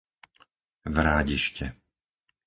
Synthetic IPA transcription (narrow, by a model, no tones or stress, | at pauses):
vɾaːɟiʃcɛ